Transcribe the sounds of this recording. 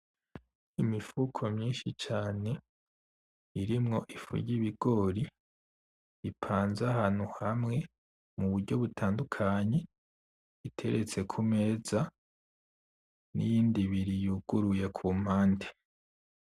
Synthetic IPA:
imifukʰo̞mɲiːnʃit͡ʃaːne̞ | iɾimŋo̞ʔifṵɾɟiβiɡ̥o̞ːɾi | ipʰaːnzahaːn̥huhamŋe̞ | muβuɾɟo̞βutʰaːndukʰaɲe̞ | itʰe̞ɾe̞t͡se̞kʰume̞ːza | nḭjiːndiβiɾijuːɡ̥uɾuje̞kʰuːm̥haːnde

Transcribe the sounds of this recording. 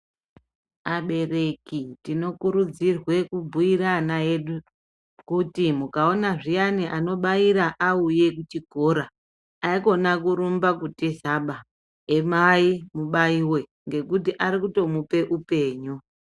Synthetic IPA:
aɓe̞re̞kitino̞kuɾud͡zirwe̞kubʱuiɾanae̞ɗu | kutimukao̞naʐijaniʔano̞ɓaiɾaʔauje̞k̬ut͡ʃiɡʱo̞ɾa | aiko̞nakuɾumbakutisaɓa | emaimuɓaiwe̞ | ŋɡe̞kut̬iʔaɾikuto̞mupe̞ʔupe̞ːɲu

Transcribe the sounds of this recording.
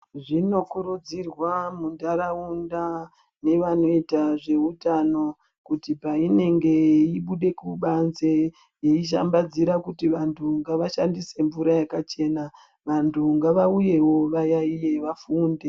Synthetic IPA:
ʐino̞kuɾud͡zirwamundaɾaunda | ne̞ʋano̞itaʐe̞utano̞ | kutipaine̞ŋɡe̞iɓuɗe̞kuɓanze | jeiʃ̬a̰mbad͡ziɾakutiʋantʰuŋɡaʋaʃandise̞ɱvuɾajakat͡ʃe̞na | ʋantʰuŋɡaʋauje̞wo̞ʋajaije̞ʋafuːnde

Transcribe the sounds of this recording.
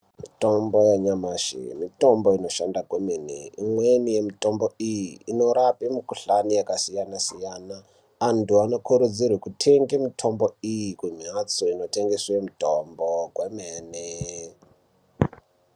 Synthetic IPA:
mitombojeɲamaʃḭmito̞mboino̞ʃandakwemenḛimwenije̞mito̞mbo̞ijiːno̞ɾapemikuɬanijakasijanasijanaː | ntuano̞kʰuɾud͡zirwekutʰeŋɡemitʰo̞mbo̞ijikuɲat͡soino̞te̞ŋɡeswemitombokwemeːne

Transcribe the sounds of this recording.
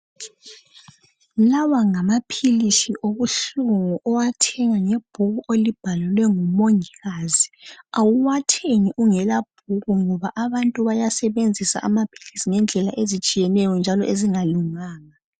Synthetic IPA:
lawaŋamapʰiliʃiʔoɣuɬuŋuʔɔwatʰɛŋaŋeb̥ʱuɣuʔelib̥ʱalulwɛŋumoŋiɣaziawuwatʰeŋiʔuŋɛlab̥ʱuɣuŋɔβaʔaβantʼuβajasɛβend͡zʱisa̰ʔamapʰi̥lisiŋɛnd͡ɮʱɛlaʔezit͡ʃʼijɛnɛjɔnd͡ʒʱalɔʔeziŋaluŋaːŋa

